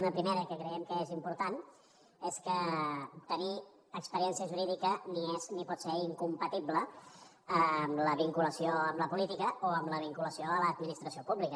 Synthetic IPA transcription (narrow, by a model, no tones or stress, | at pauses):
nəpɾimeɾəkəkɾəɛmkəezimpuɾt̪an | eskət̪əni | əkspəɾiɛnsiəʒuɾiðikənieznipɔt̪seiŋkumpət̪iblə | əmləβiŋkuləsioəmləpulit̪ikəoəmləβ̞iŋkuləsioələːd̪minist̪ɾəsiopuβlikə